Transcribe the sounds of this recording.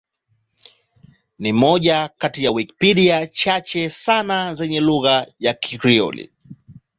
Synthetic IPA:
nimɔʄakatijawikpiɗiat͡ʃat͡ʃɛsanazɛɲɛluɣajakʰikɾiɔ̰lḭ

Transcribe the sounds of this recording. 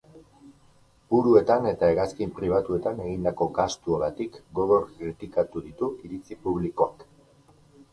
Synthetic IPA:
buɾue̞t̪ane̞t̪aeɣaskimpɾiβ̞at̪ue̞t̪ane̞ɣind̪ako̞ɡast̪uoɾat̪ikɡo̞ɣo̞ɾkɾit̪ikat̪uðit̪uʔiɾit͡sipuβ̞liko̞ak

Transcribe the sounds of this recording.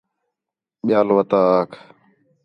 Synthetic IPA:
ɓɪjaːlʋət̪aːkʰ

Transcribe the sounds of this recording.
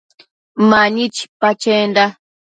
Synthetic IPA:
maɲit͡ʃi̥pat͡ʃenda

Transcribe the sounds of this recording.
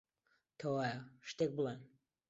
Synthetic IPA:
t̪ʰɐwaːjɐʃt̪ek̚bɨlen

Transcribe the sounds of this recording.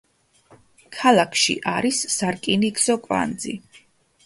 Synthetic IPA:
kʰalˠakʰʃḭʔaɾisːaɾkʼinikz̥ɔkʼva̰nd̪zḭ

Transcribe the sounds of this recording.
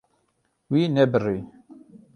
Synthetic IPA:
wiːnɛbɨri

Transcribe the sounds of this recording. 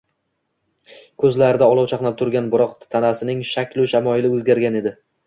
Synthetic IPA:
kʰɵzlaɾɪd̪aɒlˠɒwt͡ʃʰaqnap̚t̪ʰʊɾɡʲanbɪɾɒqt̪ʰanasɪnɪŋʃakʲlʊʃamɒɪlɪɵzɡʲaɾɡʲane̞d̪ɪ

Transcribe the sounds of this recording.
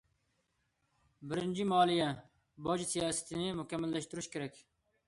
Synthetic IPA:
bəɾɪnʲd͡ʑimaːlijɛ̃ː | boːd͡ʑisijaːsə̥t̪ineːmʊkɐmːəld̪ɐʃt̪ɾuʃkəɾek

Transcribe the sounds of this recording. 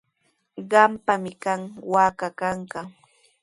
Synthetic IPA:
ɢɑmpamɪkaŋwaːkakaɴka

